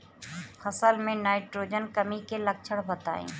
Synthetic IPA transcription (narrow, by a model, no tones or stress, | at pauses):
xʰɐsəlmẽnaːɪʈɾoːd͡ʒənkɐmikelɐk̚t͡ʃʰəɽbɐt̪a̰ːḛ̃ː